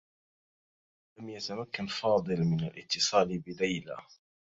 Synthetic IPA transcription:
lamjat̪amakːanfɑːd̪ˤɨlmɪnalʔɪt̪ːɨsˤɑːlbɪlajla̰

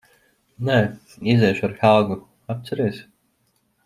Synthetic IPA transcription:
nɛ | izɛjʃaɾxalɡu | ap̚t̪saɾɛjs

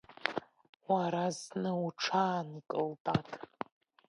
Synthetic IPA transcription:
waɾaznɨuʈ͡ʂʰaːnikʼɨltʼakʼ

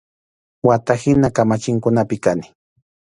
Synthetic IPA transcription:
wat̪ahɪnakamat͡ʃɪŋkʊnapɪkanɪ̥

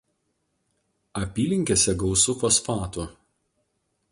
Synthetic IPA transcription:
ɐpʲiːlʲɪŋʲkʲesʲɛɡɐʊsʊfoːsfɑːt̪u

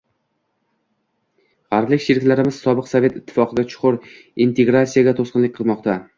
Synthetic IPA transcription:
haɾblɪkʲʃɪɾɪkʲlaɾɪmɪz̥sɒbɨqsave̞t̪ɪt̪ʰːɪ̥fɒqʰɨd̪at͡ʃʰʊ̥qʰʊɾ | int̪ʰe̞ɡɾat̪sijaɡʲat̪ʰosqɨnlɪk̚ʲqʰɨlˠmɒqt̪ʰa

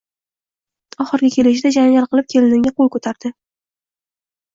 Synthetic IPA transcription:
ɒχɨɾɡʲakʲʰe̞lɪʃɪd̪ad͡ʒaŋɡʲalˠqɨlˠɪp̚kʲʰe̞lɪnɪŋɡʲaqolˠkʰɵt̪ʰaɾd̪ɪ

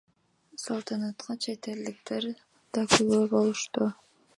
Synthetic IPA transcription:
sɑlˠt̪ʰɑnɑt̪qɑt͡ʃʰet̪e̞ld̪ik̚t̪eɾ | d̪̥ɑkyɡøbo̞lˠuʃt̪u

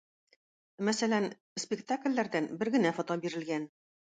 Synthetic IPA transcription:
mæsælæn | spʲɪkt̪aklʲːæɾd̪ænbɘɾɡɘ̆næfot̪obiɾɘ̆lɡæn

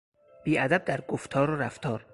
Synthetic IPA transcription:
b̥iːʔæd̪æb̚d̪æɾɡoft̪ʰɒːɾoɾæft̪ʰɒːɾ

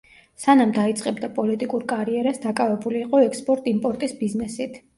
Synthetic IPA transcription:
sanamd̪ait̪sʼqʼɛbd̪apʼɔlit̪ʼikʼuɾkʼaɾiɛɾasd̪akʼavɛbuliːqʼɔɛkspʼɔɾt̪ʼimpʼɔɾt̪ʼisbiznɛsit̪ʰ

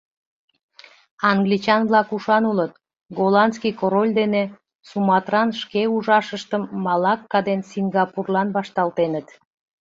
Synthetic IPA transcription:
ɑŋɡlit͡ɕɑnβlɑkuʃɑnulət̪̚ | ɡolɑnskijkoɾolʲd̪ene | sumɑt̪rɑnʃkeuʒɑʃəʃt̪əmːɑlɑkːɑd̪ensiŋɡɑpurlɑnbɑʃt̪ɑlt̪enət̪

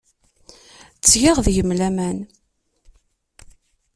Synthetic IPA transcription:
t͡sːjiʁðjəmlæmæn

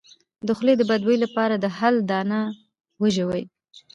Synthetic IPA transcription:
d̪əxled̪əbad̪wəjlapɑɾad̪əhald̪ɑna | wəʒəwəj

